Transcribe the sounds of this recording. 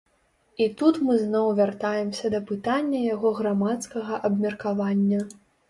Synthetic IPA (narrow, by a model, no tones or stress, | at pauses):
it̪ut̪mɨznɔwvʲart̪ajɛmsʲɐd̪ɐpɨt̪anʲːɐjaɣɔɣɾamat̪skɐɣɐʔɐbmʲɐrkavanʲːɐ